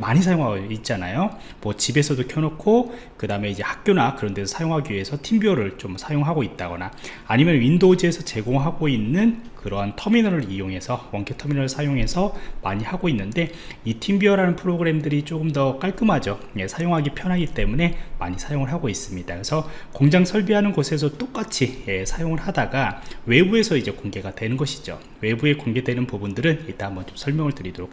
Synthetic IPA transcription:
maɲisʰajoŋɦaɡoit̚t͡ɕ͈anajo | mwʌt͡ɕibe̞sʰʌdokʰjʌnokʰo | kɯdame̞id͡ʑe̞hak̚k͈jonakɯɾʌnde̞sʰosʰajoŋɦaɡiɥie̞sʰʌtʰimbiʌɾɯɭt͡ɕomsʰajoŋɦaɡoit̚t͈aɡʌnaː | ɲimjʌnɥindod͡ʑie̞sʰʌt͡ɕe̞ɡoŋɦaɡoinːɯnkɯɾʌɦantʰʌminʌɾɯɾijoŋɦe̞sʰʌwʌŋkʰetʰʌminʌɾɯɭsʰajoŋɦe̞sʰʌmaɲihaɡoinːɯnde̞ | itʰimbiʌɾanɯnpʰɯɾoɡɯɾe̞mdɯɾit͡ɕ͈oɡɯmdʌk͈aɭk͈ɯmɦad͡ʑo | jesʰajoŋɦaɡipʰjʌnɦaɡit͈e̞mune̞ma̰ɲisʰajoŋɯɭɦaɡois͈ɯmɲidakesʰʌkoŋd͡ʑaŋsʰʌɭbiɦanɯnɡosʰe̞s̬ʰʌt͈ok͈at͡ɕʰiesʰajoŋɯɭhadaɡawe̞bue̞sʰʌid͡ʑe̞koŋɡe̞ɡadwe̞nɯnɡʌɕʰi̥d͡ʑo̰ | we̞bue̞koŋɡe̞dwe̞nɯnpubundɯɾɯniɭt͈aambʌnt͡ɕomsʰʌɭmjʌŋɯɭtɯɾidoɾok

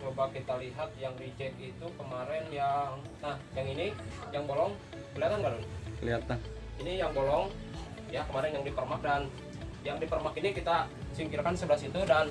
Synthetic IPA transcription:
t͡ʃobakit̪aliɦat̪̚jaŋdit͡ʃɛk̚it̪ukəmaɾɛnjaŋnahjaŋinijaŋbolɔŋ | kəliɦat̪anɡadonkəliɦat̪an | inijaŋbolɔŋ | jakəmaɾɛnjaŋdipərmak̚dan | jaŋdipərmakinikit̪asiŋkiɾkansəbəlasit̪udan

